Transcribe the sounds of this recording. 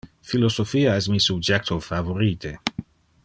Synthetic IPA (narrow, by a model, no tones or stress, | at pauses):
filosofiːaɛsmisubd͡ʒɛk̚t̪ʰofavoɾiːt̪e